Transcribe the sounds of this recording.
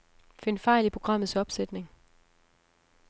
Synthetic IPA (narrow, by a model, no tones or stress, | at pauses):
fe̝nfɑ̈ɪlipʰʁo̝ɡ̥ʁɑ̈m̰ð̞̩ˠsɒ̽b̥sed̥ne̝ŋ